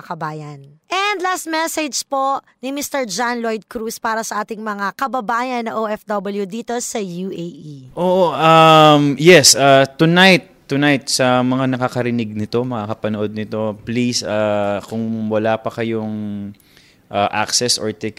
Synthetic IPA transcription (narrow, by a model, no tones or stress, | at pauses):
ɐkɐbaːjɐnʔɛnd̪last̪̚mɛsɛd͡ʒpoʔ | nɪmist̪ɛɹd͡ʒanlojd̪̚kɾuspaːɾɐsɐʔaːt̪ɪŋmɐŋakɐbɐbaːjɐnːɐŋʔoʔɛfd̪ɐbɐljud̪iːt̪o̞sɐjuʔejʔiʔoːʔoʔamjɛsʔat̪ːʊnajt̪ːʊnajt̪̚sɐmɐŋanɐkakɐɾɪnɪɡ̚nɪt̪o̞mɐŋakɐpɐnoʔo̞d̪̚nɪt̪o̞plisakʊŋwɐlaːpɐkɐjoŋ | ʔaʔa̰ksɛso̰ɹt̪ɛk